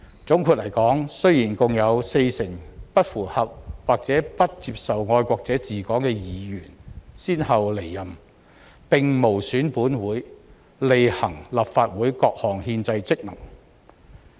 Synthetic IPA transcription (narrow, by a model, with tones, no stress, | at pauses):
t͡sʊ˨˥ŋkʰuː˨˧t̚lɐ˨˩jkɔː˨˥ŋsɵ˥ɥjiː˨˩nkʊ˨ŋjɐ˨˧wse˧jsɪ˨˩ŋpɐ˥t̚fuː˨˩hɐ˨p̚waː˨k̚t͡sɛː˨˥pɐ˥t̚t͡siː˧p̚sɐ˨wŋɔː˧jkʷɔː˧k̚t͡sɛː˨˥t͡siː˨kɔː˨˥ŋkɛː˧jiː˨˧jyː˨˩nsiː˥nhɐ˨wle˨˩jːɐ˨m | pɪ˨ŋmo˨˩wsyː˨˥npuː˨˥nwuː˨˥j | le˨jhɐ̰˨˩ŋlɐ˨pfaː˧t̚wuː˨˥jkɔː˧k̚hɔː˨˩ŋhiː˧nt͡sɐ˧jt͡sɪ˥k̚nɐ˨˩ŋ